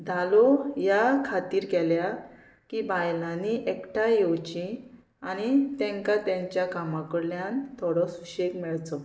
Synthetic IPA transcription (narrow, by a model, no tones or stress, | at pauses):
d̪ʱalɔjakʰat̪iːɾkɛlja | kibʱajlãniʔekʈajɔwt͡ɕĩ | aɽ̃it̪jɛ̃ŋkat̪jãɲt͡ɕjakamãkəɽljant̪ʰɔɽɔsuɕekmɛɭt͡sɔ